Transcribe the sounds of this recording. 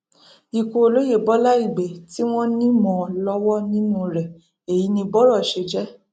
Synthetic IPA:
i˨ko˨lo˦je˦˨bɔ˦la˦i˦˨ɡ͡be˨ti˦w̃ɔ̃˦nĩ˦mɔ̃˧˨lɔ˦wɔ˦nĩ˦nũ˦˧ɾɛ˨ | e˨ji˨˦nĩ˧bɔ˦ɾɔ˦˨ʃe˧d͡ʒɛ˦

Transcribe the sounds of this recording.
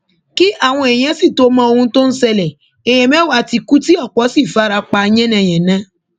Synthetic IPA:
ki˦ʔa˦˨w̃ɔ̃˧ɛ˨j̃ɛ̃˨˦si˦˨to˨˦mã˦o˧ũ˧to˦n̩˦sɛ˧lɛ˨ | ɛ˨j̃ɛ̃˨˦mɛ̃˦wa˦˨ti˧ku˦ti˦ɔ˦˨k͡pɔ˨˦si˦˨fa˨˦ɾa˧k͡pa˧j̃ɛ̃˦nɛ̃˧˨j̃ɛ̃˨nã˨˦

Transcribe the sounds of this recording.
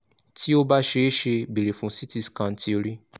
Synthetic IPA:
ti˦o˦ba˦ʃe˧˦ʃe˧bi˨ɾe˨fũ˨˦si˦ti˦˧skã˧n̩˦tʰi˦o˧ɾi˦

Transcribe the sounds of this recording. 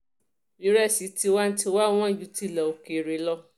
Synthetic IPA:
bi˨˦ɾɛ˦˨si˨˦ti˧˦wa˦n̩˦ti˧˦wa˦w̃ɔ̃˦˨ju˨˦ti˦˨lɛ˨o˨ke˨ɾe˨˦lɔ˧

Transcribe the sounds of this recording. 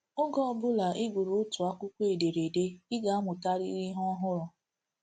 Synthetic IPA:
ʊ˦ɡɔ˦˨bʊ˦la˨ʔɪ˦ɡʷʊ˨ɾʊ˨ʊ˦tʊ˨a˦kʷu˦kʷe˨de˨ɾe˨de˦ɪ˦ɡa˨a˦mʊ˨ta˦ɾḭ˦ɾi˦ɦɔ˦ɦʊ˦ɾɔ˨

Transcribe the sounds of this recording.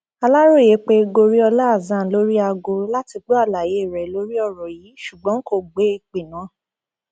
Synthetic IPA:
a˧la˦ɾo˦˨je˨˦k͡pe˦ɡo˧ɾi˦ɔ˧la˦a˦˨zã˨˦lo˦ɾi˦a˧ɡo˧la˦ti˧ɡ͡bo˦a˦˨la˨je˨˦˨ɾɛ˨˦lo˨˦ɾi˦ɔ˦˨ɾɔ˨jiː˨˦ʃu˨ɡ͡bɔ̃˨˦ŋ̩˦ko˦˨ɡ͡be˨˦i˧k͡pe˨nã˨˦

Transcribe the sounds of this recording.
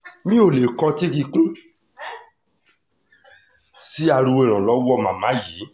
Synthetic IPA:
mĩ˦o˦˨le˨kɔ˧ti˦ki˧kũ˦ | si˦a˧ɾu˧e˨ɾ̃ɔ̃˨lɔ˨˦wɔ˦˨mã˨mã˨˦ji˨˦

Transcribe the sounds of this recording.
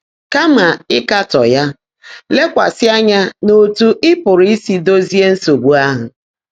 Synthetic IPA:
ka˦ma˨ɪ˦ka˦tɔ̰˨ja˦ | le˦kʷa̰˨sɪ˦a˦ɲa˦no˦tu˦ʔɪ˦pʊ˨ɾi˦i˦si˦do˦zi˦e˦n̩˦so˨ɡ͡bu˦a˦ɦʊ˨

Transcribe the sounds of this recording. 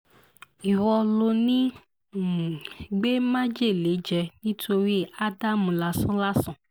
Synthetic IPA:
i˨wɔ˧lo˧nĩ˦˨ | ɡ͡be˦mã˦d͡ʒe˦˨le˨˦d͡ʒɛ˧nĩ˦tʰo˧ɾi˦a˦da˦˨mũ˨la˧sã˦la˦sã˦˨

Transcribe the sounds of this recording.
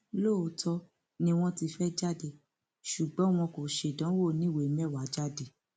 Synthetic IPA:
lo˦o˨˦tʰɔ˧ | nĩ˧w̃ɔ̃˦ti˧fɛ˦d͡ʒa˦˨de˦˨ | ʃu˨ɡ͡bɔ̃˨˦w̃ɔ̃˧ko˨ʃe˨dã˨˦wo˦˨nĩ˦˨we˨˦m˦ɛ˦˨wa˨˦d͡ʒa˦˨de˦˨

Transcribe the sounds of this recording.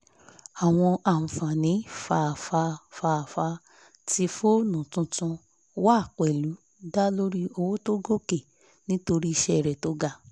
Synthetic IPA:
a˨w̃ɔ̃˧ʔa˨m̩˨fã˨nĩ˨˦fa˧˨fa˧fa˧˨fa˧ | ti˧fo˦nũ˨tũ˧tũ˧ | wa˦˨k͡pɛ˨lu˨˦ | da˦lo˦ɾi˦o˧wo˦to˦ɡo˦ke˦˨ | nĩ˦to˧ɾi˦i˧ʃɛ˦˨ɾɛ˨to˧˦ɡa˨˧˨

